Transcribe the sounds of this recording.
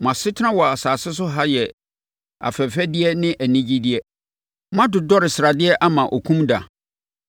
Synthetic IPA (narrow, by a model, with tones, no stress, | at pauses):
mã˨sɪ˦tʰã˦wɔ˨a˨saː˨sɪ˦s̬ʊ˦ɦa˦jɛ˨ | a̰˨fɛ˨fɛ˦dɪ˦ɛ˦nɪ̃˦ʔæ˨nĩ˦d͡ʑi˦dɪ˦ɛ˦ | mã˦dʊ˨dɔ˦ɾɪ˨sɾa˨dɪ˦ɛ˦ʔa˦mã˨ʔɔ˨kʰũ˦mda̰˨